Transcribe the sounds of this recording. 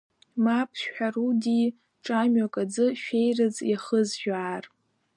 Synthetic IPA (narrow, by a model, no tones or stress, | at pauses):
mapʰħarudi | ʈ͡ʂʼamɥakʼad͡zɨʃᶣejrɨd͡zjaχəzʒᶣaːr